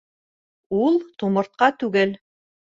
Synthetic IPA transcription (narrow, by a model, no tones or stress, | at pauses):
ulˠt̪umɤ̆ɾt̪̚qɑt̪ʉɡɘl